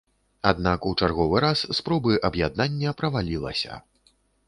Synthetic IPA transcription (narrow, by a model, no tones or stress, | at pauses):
ad̪̚nakut͡ʂarɣɔvɨɾasːpɾɔbɨʔɐbjad̪̚nanʲːɐpɾɐvalʲilˠɐ̰sʲɐ̰